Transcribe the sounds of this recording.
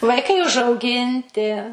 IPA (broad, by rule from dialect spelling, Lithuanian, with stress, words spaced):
ʋɐɪˈkɐɪ ʊʒɐʊˈɡʲɪnʲtʲɪ